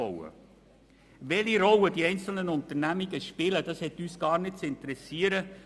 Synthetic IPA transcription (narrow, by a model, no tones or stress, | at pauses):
ɔwə̰ | ʋɛliɾɔwəd̥iɛɪnt͡sl̩nənʊnt̪ənæmiɡ̥əʃpɪləd̥ɑshɛtːyːsɡ̥ɑːɾnɪt̚t͡sɪntəɾɛsiːəɾə